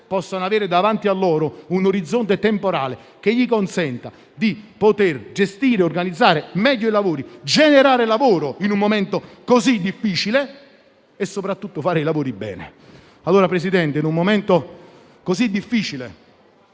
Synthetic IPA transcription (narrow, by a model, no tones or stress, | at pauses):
pɔsːonoaveːɾɪd̪avant̪ialːɔːɾʊunoɾid̪zːont̪et̪empoɾa̰ːle | k̟eʎːikonsɛnt̪a | d̪ipot̪erd͡ʒest̪iːɾeorɡanid̪zːaːɾemɛʎːoilavoːɾid͡ʒeneɾaːɾelavoːɾoinummomɛnt̪okozid̪ːifːiːt͡ʃile | esːopɾat̪ːut̪ːofaːɾeilavoːɾibːɛ̰ːnḛ | alːoːɾapɾesid̪ɛnt̪einummomɛnt̪o | kozid̪ːifːiːt͡ʃilḛ